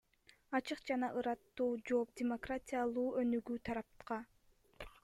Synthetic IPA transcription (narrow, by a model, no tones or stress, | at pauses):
ɑt͡ʃɯqd͡ʒɑnɑʔɯɾɑt̪ːuːd͡ʒo̞ːp̚dʲemo̞kratʲijalˠuːønyɡyːt̪ʰɑɾɑp̪̚qɑ